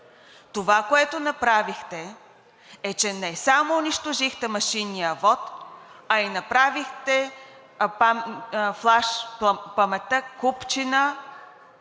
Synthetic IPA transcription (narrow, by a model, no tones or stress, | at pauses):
t̪ovakoɛt̪onɐpɾavixt̪ɛː | t͡ʃɛnɛsamoːniʃt̪oʒixt̪ɛmɐʃinːijəvɔt̪ɐinɐpɾavixt̪ɛ | paflˠaʃppɐmɛt̪əkupt͡ʃinə